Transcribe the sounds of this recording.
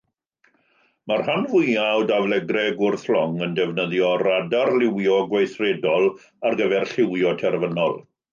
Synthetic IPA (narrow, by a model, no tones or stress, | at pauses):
marhanvʊjawdavlɛɡrɛɡʊrθlɔŋəndɛvnəðjɔradarlɪwjɔɡwajθredɔlˠ | arɡəvɛrɬɪwjɔtʰɛrvənɔ̰lˠ